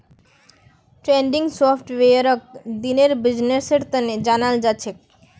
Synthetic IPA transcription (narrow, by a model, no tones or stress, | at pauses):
ʈɾeɳɖiŋsopʰʈweaɾok̚d̪ineɾbid͡ʑneseɾt̪aned͡ʑanald͡ʑaːɕʰek̚